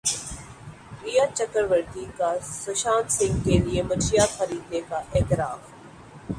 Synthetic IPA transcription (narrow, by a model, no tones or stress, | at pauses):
ɾiːjat͡ʃəkəɾʋəɾt̪ikasʊʃaːnsɪ̃ŋɡkeliemɐt͡ʃɾijaxəɾiːd̪nekaʔeːt̪ɪɾaːf